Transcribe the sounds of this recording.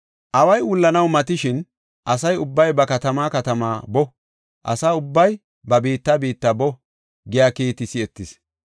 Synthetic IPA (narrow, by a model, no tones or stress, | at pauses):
ʔɐwɐjʊlːɐnɐwmɐt̪ɪʃɪn | ʔɐsɐjʊbːɐjbɐkɐt̪ɐmaːkɐt̪ɐma̰ːbɔ | ʔɐ̰saːʊbːɐj | bɐbiːt̪ːabiːt̪ːɐbɔ | ɡɪjaːkeːt̪ɪsɪɛt̪ːɪs